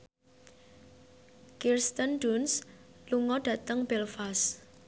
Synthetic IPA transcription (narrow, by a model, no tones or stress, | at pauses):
kirst̪ənɖunsluŋɔɖ̥ä̤t̪əŋb̥ɛlfas